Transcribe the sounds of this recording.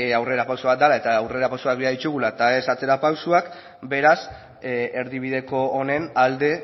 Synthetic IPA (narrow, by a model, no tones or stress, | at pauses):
awre̞ɾapawsoβat̪d̪alae̞t̪aːwre̞ɾapawsuak̚biaðit͡ʃuɣulat̪ae̞sat͡se̞ɾapawsuak | be̞ɾas | eɾðiβ̞iðe̞ko̞ːne̞nald̪e̞